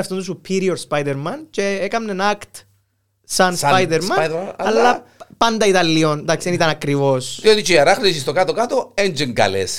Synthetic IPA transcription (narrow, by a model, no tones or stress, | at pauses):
ɐft̪ont̪us̬upʰːiɾioɾspajd̪eɾmɐnceekɐmnenɐkt̪ | sɐnspajd̪eɾmmɐnɐlːɐpɐnd̪ɐit̪ɐlːiond̪ɐksienit̪ɐnɐkɾivosðiot̪it͡ʃeɐɾaxnisis̬t̪okat̪okat̪oend͡ʒiŋɡɐ̰lḛs